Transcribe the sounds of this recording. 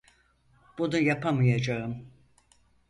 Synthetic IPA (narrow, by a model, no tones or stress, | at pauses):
b̥unujapʰamɯjad͡ʒaɯm